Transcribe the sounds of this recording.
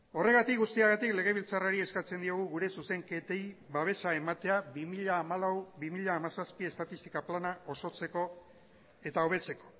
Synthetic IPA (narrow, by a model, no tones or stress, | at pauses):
o̞re̞ɣat̪ikɡust̪iaɣat̪ikle̞ɣ̞e̞β̞ilt͡saraɾie̞skat͡se̞nd̪io̞ɣ̞uɣuɾe̞suse̞ŋke̞t̪ejβaβ̞e̞saemat̪e̞aβimiʎaːmalawbimiʎaːmasaspie̞st̪at̪ist̪i̥kaplanao̞so̞t͡se̞ko̞ | e̞t̪ao̞β̞e̞t͡se̞ko̞̥